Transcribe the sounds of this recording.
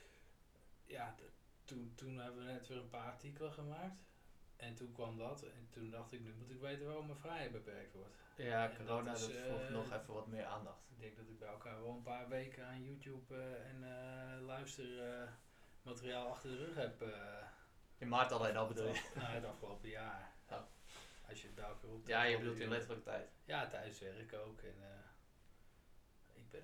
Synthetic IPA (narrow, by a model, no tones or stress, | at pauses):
ja | tuntunhɛbəʋənɛtʋɪrənpaːatikəlˠəχəmaːkt | ɛntunkʋɔmdɔtɛntundɑχtɪknymutɪkʋejtənʋaːroməfrɛjhɛjt̚bəpɛrk̚tʋɔrt | akɛordoːnadɔɔnɔxɛfəʋɔtmɪəɹa̰ːndɑxtɪɡ̚dɛŋk̚dɔtɪɡ̚bɛjɛəlˠkaːɹʋɔlˠənpaːrʋejkəaːnjutjupɛnlœɥstər | matəriaːlˠɑxtərdərøxhɛpə | ɪnmartalenɔbədulˠjənadəɑfkəlowpəjaːr | ɔsjəət̚bɛɑklojajəbədultɪnlɪtərləkətɛjtjaːtʰœɥəsʋɛrɪkowkʰɛn | ɪɡ̚bɪ